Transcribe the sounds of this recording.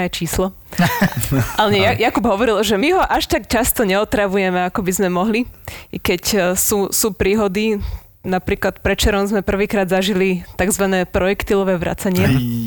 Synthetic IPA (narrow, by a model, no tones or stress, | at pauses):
ajt͡ʃiːslɔ | ʔalɛɲɛjjakubɦɔʋɔɾilʒɛmiɦɔʔaʃt̪akcast̪ɔɲɛɔt̪ɾaʋujɛmɛakɔbizmɛmɔɦlikɛcsuːsuːpɾiːɦɔd̪i | napɾiːklat̪pɾɛt͡ʃɛɾɔmzmɛpr̩ʋiːkɾaːd̪zaʒilit̪aɡzʋanɛːpɾɔjɛkt̪ilɔʋɛːʋɾa̰t͡saɲɪɛ